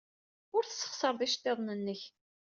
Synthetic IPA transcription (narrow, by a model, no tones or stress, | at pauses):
ʊɾθə̥sːə̥χsəɾˤðˤiʃt̪ːeðˤnənːəç